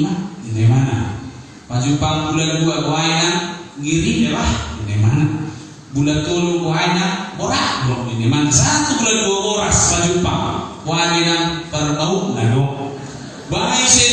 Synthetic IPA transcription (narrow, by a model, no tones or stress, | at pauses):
madinemana̰ | pad͡ʒupaŋk̪ulad͡ʒuaɡɔainaŋɡiɾinelahd͡ʒinemana | bulat̪olukoainabɔɾaʔdɔninemanasat̪ukuladuabɔɾaspad͡ʒupaŋ̰koaiɡenaŋpɛrbauʔnadɔ | baise